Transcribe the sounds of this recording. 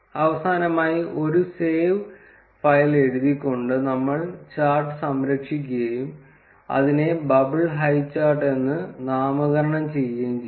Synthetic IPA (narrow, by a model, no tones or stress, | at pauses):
ɐʋɐsaːnɐmaːjiʔo̞ɾuseːʋ | fɐjle̞ɽuðikʲːo̞ɳɖɨnɐmːɐɭt͡ɕaːrʈːɨsɐmɾɐkʂik̬ʲːuɣɐjum | ɐ̰ðine̞bɐbiɭɦɐjt͡ɕːaːrʈe̞nːɨnaːmɐɣɐɾɐɳɐmt͡ɕe̞jːɐːm